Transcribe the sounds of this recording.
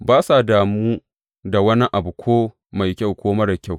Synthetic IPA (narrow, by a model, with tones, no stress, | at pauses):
baː˦sa˨daː˨muː˦ | da˨wɐ˦ni˦ʔa˨bu˨kʷʰoː˦ | ma˨jkʲa˦˨wkʷoː˦mɐ˦ɽa˨kʲa˦˨w